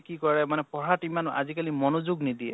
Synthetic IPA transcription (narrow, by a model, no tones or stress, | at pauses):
kikɔɹɛmanɛpɔɹatimana̰zikalimɔnozuɡnid̪iɛ̰